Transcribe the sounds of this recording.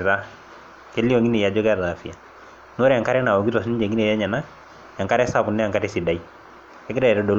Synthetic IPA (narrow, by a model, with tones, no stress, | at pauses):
ta˦ | ke˦li˦o˨ŋi˦ne˨ja˨d͡ʒɔ˦ɡɾða˨fi˨a˨ | no˦ɾja˨ŋka˦ɾɛ˦na˨wɔ˨ɡi˦twa˨s̬ni˦d͡ʒe˨ŋi˦ne˨ja˦ɲa˨na˦ | ja˨ŋka˦ɾɛ˦sa˦˨pu˨nːɛ˦a˨ŋka˦tɛ˦si˨da˨i˦ | ɛ˦kda˦ɛ˨ɾɛ˦do˨l